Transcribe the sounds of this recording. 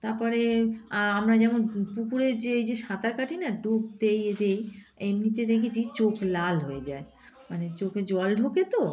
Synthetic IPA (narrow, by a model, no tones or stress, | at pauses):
t̪aɾpɔɾeaamɾad͡ʑɛmonpukuɾeɾd͡ʑeejd͡ʑeʃat̪aɾkaʈʰinaɖuk̚t̪ejed̪ej | emnit̪ed̪ekʰet͡ɕʰit͡ɕoklalɦojed͡ʑae | manet͡ɕoked͡ʑɔlɖʱoket̪o